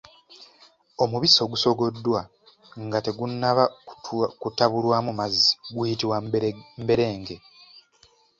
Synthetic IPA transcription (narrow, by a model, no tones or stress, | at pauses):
o̞muβiso̞ɡuso̞ɡo̞dːwa | ŋɡate̞ɡunːaβa | kutaβulwaːmumazːi̥ɡwiitiwambe̞ɾe̞ːŋɡe̞